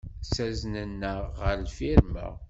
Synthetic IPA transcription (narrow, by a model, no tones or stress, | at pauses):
sæznənːəʁːəɾlfiɾmæ̰